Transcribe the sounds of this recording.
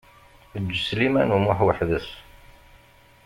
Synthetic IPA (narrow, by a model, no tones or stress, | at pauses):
əd͡ʒːəslimænumʊħwəħðəs